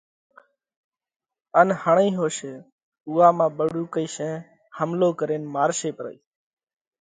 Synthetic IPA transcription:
ənhəɳĩːɦoːʃeː | uːaːmãːɓəɽuːkəiːʃẽː | həmloːkəɾeːnmaːɾʃeːpɾə̰ḭː

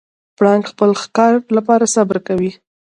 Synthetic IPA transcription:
pɽɑŋɡxpəlxkɑɾlapɑɾasabɾkawi

